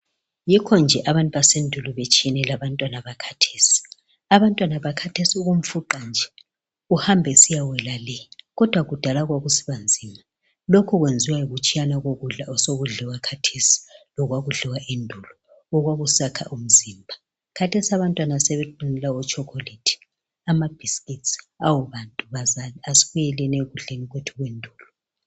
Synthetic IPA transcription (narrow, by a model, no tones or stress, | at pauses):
jikʰɔnd͡ʒʱɛʔaβantʼuβasendʱulɔβet͡ʃʰʼiɛnɛlaβantʼwanaβakʰḁtʰe̥ːsi̥ | aβantʼwanaβakʰatʰesiuɣum̩fuǃand͡ʒʱɛ | uhambʱɛsijawɛlalɛɣɔd̥ʱwaɣud̥ʱalaɣwaɣusi̥βand͡zʱiːma | lokʰuɣwend͡zʱiwajiɣut͡ʃʼijanaɣoɣuɮaɔsoɣuɮiwakʰatʰesi̥lɔɣwaɣuɮɛwaʔendʱulɔ | ɔɣwaɣusakʰa̰ʔum̩zimbʱa | kʰatʰesiaβantʼwanasɛβɛǃunɛlaɔt͡ʃʰʼɔkʰolitʰi̥ | amab̥ʱiskʼits | awuβantʼuβazaliasi̥ɣujɛlɛneɣuɮeniɣwɛtʰuɣwendʱuːlɔ